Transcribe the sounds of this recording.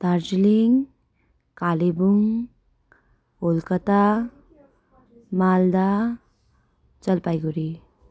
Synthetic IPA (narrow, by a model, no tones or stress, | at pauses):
t̪aɾd͡ʒiliŋ | kalibuŋ | olkət̪a | mald̪a | t͡ʃəlpajɡuɾi